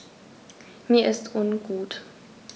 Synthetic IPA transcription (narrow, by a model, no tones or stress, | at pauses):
miːɐʔɪstʰʔʊnɡuːt